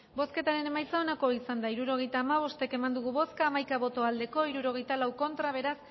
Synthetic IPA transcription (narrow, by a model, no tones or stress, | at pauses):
bo̞ske̞t̪aɾe̞ne̞majt͡sao̞nako̞isand̪aiɾuɾo̞ɣ̞e̞jt̪aːmaβ̞o̞st̪e̞ke̞mand̪uɣ̞uβo̞skaːmajkaβo̞t̪o̞ald̪e̞ko̞iɾuɾo̞ɣ̞e̞jt̪alawko̞nt̪ɾaβ̞e̞ɾas